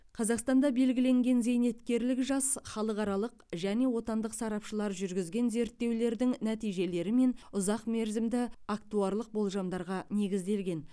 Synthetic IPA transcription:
qʰɑzɑqst̪ɑnd̪ɑbe̞lɡʲɪle̞ŋɡʲe̞nze̞jne̞t̪kʲe̞ɾlɪkʒɑsχɑlˠəqɑɾɑlˠəqʒæne̞wo̞t̪ɑnd̪əqsɑɾɑpʃəlˠɑɾʒʏɾɡʲɪzɡʲe̞nze̞ɾt̪ːe̞wle̞ɾd̪ɪŋnæt̪ijʒe̞le̞ɾɪme̞nʊzɑqme̞ɾzɪmd̪ɪak̚t̪uɑɾlˠəq̚bo̞lˠʒɑmd̪ɑɾʁɑne̞ɡʲɪzd̪e̞lɡʲe̞n

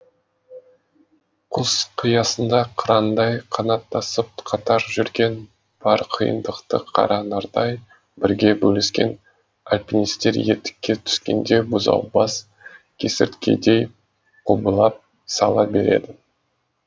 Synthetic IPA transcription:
qʰʊz̥qʰijɑsənd̪ɑqʰʊɾɑnd̪ɑjqʰɑnɑt̪ːɑsəp̚qʰɑt̪ɑɾʒʏɾɡʲe̞n | b̥ɑɾqʰijə̰nd̪əqt̪əqʰɑ̰ɾɑnɑɾd̪ɑj | bɪɾɡʲe̞bɵlɪskʲe̞̰n | alʲpʲinist̪e̞ɾjet̪ɪ̥kʲːe̞t̪ʰʏ̥skʲe̞̰nd̪e̞bʊzɑ̰wbɑs | kʲʰe̞sɪɾt̪kʲʰe̞̰d̪e̞j | qʰubəlˠɑp̚ | sɑlˠɑbe̞ɾe̞̰d̪ɪ

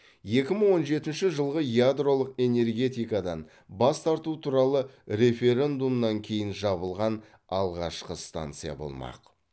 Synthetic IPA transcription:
je̞kʲɪməɴwo̞nʒe̞t̪ɪnʃɪʒəlˠʁəjad̪ro̞lˠəqe̞ne̞rɡʲe̞t̪ijkad̪ɑn | bɑst̪ʰɑɾt̪ut̪ʰuɾɑlˠəɾe̞fʲe̞ɾʲe̞nd̪umnɑŋkʲʰe̞jɪnʒɑβəlˠʁɑn | ɑlˠʁɑʃqəst̪a̰nt̪sɨja̰bo̞̰lˠmɑ̰q

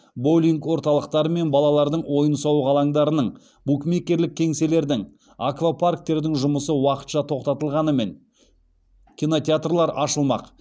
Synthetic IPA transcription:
bo̞lʲiŋkwo̞ɾt̪ɑlˠəq̚t̪ɑɾəme̞nbɑlˠɑlˠɑɾd̪əɴwo̞jənsɑwʁʰɑlˠɑɴd̪ɑɾənəɴ | bukme̞kʲːe̞ɾlɪk̚ʲʰːe̞ŋse̞le̞ɾd̪ɪŋ | akvapʰark̚t̪e̞ɾd̪ɪŋʒʊməsəwɑqə̥t̪ʃɑt̪ʰo̞qt̪ɑt̪əlˠʁɑnəme̞ŋ | kʲino̞t̪ʲeat̪rlˠɑɾɑʃəlˠmɑ̰q

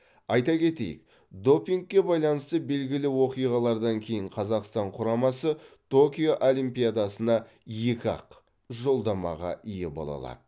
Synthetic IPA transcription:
ɑjt̪ɑkʲe̞t̪e̞̰jɪ̰k̚ | d̪o̞piŋɡ̚kʲːe̞bɑjlˠɑnəst̪əbe̞lɡʲɪlɪwo̞qijʁɑlˠɑɾd̪ɑŋkʲʰe̞jɪɴqʰɑzɑqst̪ɑɴqʰʊɾɑmɑsət̪ʰo̞kʲijo̞ʔolˠimpijad̪ɑsənɑ | jekʲɑ̰q | ʒo̞lˠd̪ɑmɑ̰ʁɑ̰ʔijebo̞̰lˠɑ̰lˠɑ̰d̪̥ə

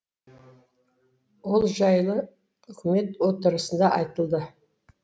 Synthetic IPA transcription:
wo̞lˠʒɑjlˠə | ʏkʲɪme̞t̪wo̞t̪əɾəsənd̪ɑʔɑjt̪əlˠd̪ə

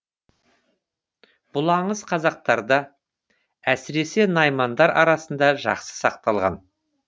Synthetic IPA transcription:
b̥ʊlˠɑɴəzqʰɑzɑq̚t̪ɑɾd̪ə | æsɪɾe̞se̞nɑjmɑnd̪ɑɾɑɾɑsənd̪ɑʒɑ̰qsə̥sɑq̚t̪ɑlˠʁɑ̰n

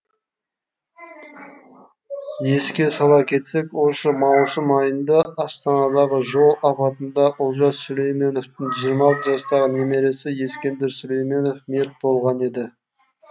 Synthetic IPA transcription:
je̞skʲe̞sɑlˠɑkʲʰe̞t̪se̞kwo̞səmɑwsəmɑjənd̪ɑːst̪ɑnɑd̪ɑʁəʒo̞lˠɑpɑt̪ənd̪ɑʔʊlˠʒɑssɵle̞jme̞no̞ft̪ɪŋʒijəɾmɑlˠt̪əʒɑst̪ɑʁəneme̞ɾe̞sɪje̞skʲe̞nd̪ɪɾsʏle̞jme̞no̞fme̞t̪̚bo̞lˠʁɑne̞d̪ɪ

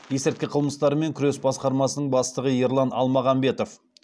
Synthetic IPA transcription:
je̞sɪɾt̪̚kʲɪqʰəlˠməst̪ɑɾəme̞ŋkʲʰʏɾe̞sbɑsqɑɾmɑsənəɴbɑst̪əʁəjeɾlˠɑnɑ̰lˠmɑʁɑmbe̞t̪o̞f

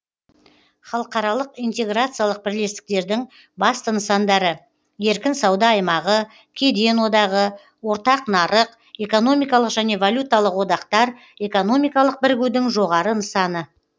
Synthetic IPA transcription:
χɑlˠəqɑɾɑlˠəqijnt̪e̞ɡɾat̪sɨjalˠəq̚bɪɾle̞st̪ɪ̥k̚t̪e̞ɾd̪ɪŋ | bɑst̪ənəsɑnd̪ɑɾə | je̞ɾkʲɪnsɑwd̪ɑːjmɑʁə | kʲʰe̞d̪e̞nwo̞d̪ɑʁə | wo̞ɾt̪ɑqnɑɾəq | e̞ko̞no̞mijkɑlˠəqʒæne̞volʲut̪alˠəqwo̞d̪ɑqt̪ɑɾ | e̞ko̞no̞mijkɑlˠəq̚bɪɾɡʲɪwd̪ɪŋʒo̞ʁɑɾənəsɑnə

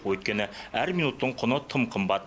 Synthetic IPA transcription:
wɵt̪̚kʲenɪæɾminut̪ːəɴqʰŏnɤt̪ʰəmqʰə̆mbɑt̪

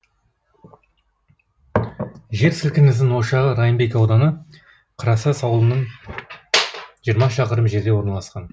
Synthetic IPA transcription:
ʒe̞ɾsɪlkʲɪnɪzd̪ɪŋwo̞ʃɑʁəɾɑjəmbe̞kɑwd̪ɑnə | qʰəɾɑsɑsɑwlˠənəɴ | ʒijəɾmɑʃ̬ɑqəɾəmʒe̞ɾd̪e̞wo̞ɾnɑlˠɑsqɑn

